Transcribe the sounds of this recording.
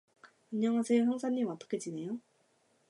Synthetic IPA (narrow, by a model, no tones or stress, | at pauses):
aɲːʌŋɦasʰe̞joɦjaŋsʰaɲːimʌt͈ʌ̥kʰe̞d͡ʑine̞jo